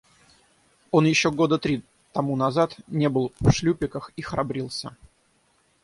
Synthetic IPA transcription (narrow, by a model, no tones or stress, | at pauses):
o̞njɪɕːoɡo̞d̪ət̪ɾʲi | t̪ɐmunɐzat̪nʲe̞bɨlˠfʂlʲupʲɪkəxixɾɐbɾʲilˠsʲə